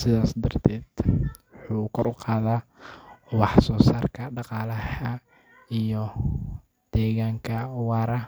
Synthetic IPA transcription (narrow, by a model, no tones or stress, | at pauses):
sɪðaːsd̪ɐrt̪ʰɛːd̪̥wʊħuːkʰɔɾʊqɑːðaː | wɑħsɔːsaːrkʰɐɖɑqɑːlɐhɐ | ijɔ | d̪̥ɛːɣaːŋkʰɐwɑːɾɐ